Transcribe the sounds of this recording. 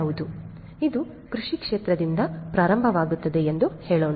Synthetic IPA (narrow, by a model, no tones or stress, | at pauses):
ʋud̪u | id̪u | kɾuʂikʂeːt̪ɾɐd̪ind̪ɐpɾaːɾɐmbʱɐʋaːɡut̪ːɐd̪eend̪uheːɭoːn